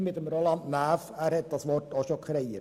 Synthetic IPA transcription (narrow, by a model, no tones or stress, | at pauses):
mɪt̪əmɾoːlɑnt̪næːfæːɾhɛt̪̚d̥ɑsʋɔrtoʃokʰɾejə